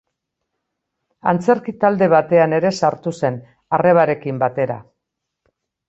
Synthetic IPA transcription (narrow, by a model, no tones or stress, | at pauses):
a̰nt͡se̞ɾkit̪ald̪e̞β̞at̪e̞ane̞ɾe̞saɾt̪use̞n | are̞β̞aɾe̞kimbat̪e̞ɾa̰